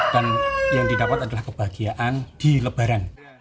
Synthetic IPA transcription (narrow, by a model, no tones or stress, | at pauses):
d̥anjaŋdidapat̪adalahkəb̥aɡiaʔand̥iləb̥aɾan